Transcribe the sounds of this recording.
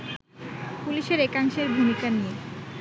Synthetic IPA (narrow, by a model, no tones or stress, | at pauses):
puliʃeɾekaŋʃeɾbʱumikanije